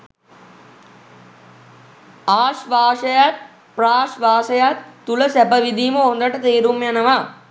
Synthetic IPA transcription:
aːʃʋaːʃəjat̪ | praːʃʋaːʃəjat̪ːuləsæpəʋid̪iːməɦond̪əʈət̪eːɾumjanəʋa

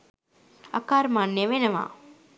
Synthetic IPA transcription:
ɐkaːɾmaːnːeʋenɐʋa̰ː

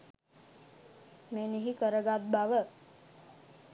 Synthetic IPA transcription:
meniɦikəɾəɡat̪̚baʋə

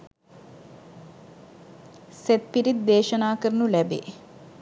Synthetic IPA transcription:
set̪̚piɾid̪̚d̪eːʃənaːkəɾnulæbḛː

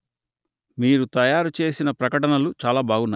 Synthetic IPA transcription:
miːɾut̪ɐjaːɾut͡ʃe̞ːsinɐpɾɐkɐʈɐnɐlut͡ʃaːlaːbʱaːɡunːa

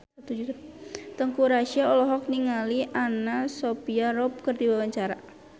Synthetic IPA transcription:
t̪ud͡ʒut̪əŋkuɾaʃiaɔlɔɦɔk̚niŋaliʔanasopiaɾɔp̚kərdiwawaɲt͡ʃaɾa

